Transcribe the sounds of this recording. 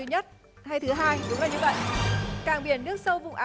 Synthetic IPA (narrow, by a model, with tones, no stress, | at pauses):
ɲə˦˥t̚ | ha˧jt̪ʰɨ˨˦ɦaː˧jɗʊ̰˨˦ŋ͡mlaː˨˩ɲɨ˧və̰˧˨jʔkaː˨˩ŋɓi˧˩ənːɨ˦˥ək̚sə˧wvʊ̰˧˨ŋ͡mʔaː˨˦